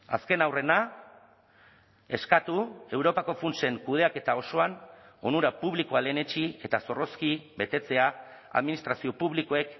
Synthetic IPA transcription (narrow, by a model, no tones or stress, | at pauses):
a̰ske̞nawre̞na | e̞skat̪ue̞wɾo̞pako̞funt͡se̞ŋkuð̞e̞ake̞t̪ao̞so̞ano̞nuɾapuβlikoale̞ne̞t͡ʃie̞t̪aso̞ro̞skibe̞t̪e̞t͡se̞a | a̰ðminist̪ɾasio̞puβliko̞e̞k